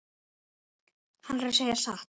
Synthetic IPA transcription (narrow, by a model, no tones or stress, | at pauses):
hanɾɛɾseːjasaht̪